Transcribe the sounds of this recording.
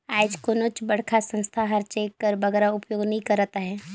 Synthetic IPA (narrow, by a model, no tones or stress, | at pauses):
aːd͡ʒkoːnoːt͡ʃbɐɽ̤kʰasə̃nst̪ʰaɦɐɾt͡ʃeːkːəɾbɐɡɛːɾaʊpjoːɡnɐɦĩkɐɾːat̪aɦɛː